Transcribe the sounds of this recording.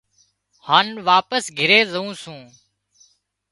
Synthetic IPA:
haːnʋaːpəsɡʱɪɾeːzəũːsũː

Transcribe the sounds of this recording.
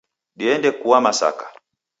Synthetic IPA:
ɗiɛndɛkuwamasa̰kḁ

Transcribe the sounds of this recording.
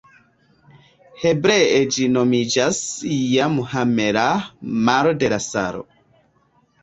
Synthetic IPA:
hɛbɾɛɛd͡ʒinɔmid͡ʒasijamuhamɛɾamaɾɔdɛɾasa̰ɾɔ̰

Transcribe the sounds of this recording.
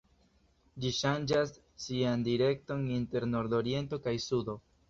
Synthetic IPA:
d͡ʒiʃand͡ʒasː | iandiɾe̞k̚to̞ninte̞ɾno̞ɾdo̞ɾje̞nto̞kajsudo̞

